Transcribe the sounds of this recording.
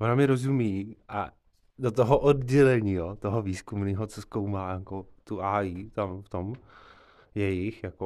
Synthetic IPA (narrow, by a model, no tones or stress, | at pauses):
ʔonamɪɾo̞zumiːʔa̰ | dot̪oɦoʔodɟɛlɛɲiːjot̪oɦoviːskumniːɦot͡soskowmaːjakot̪uʔaːjit̪amft̪om | jɛjɪxjako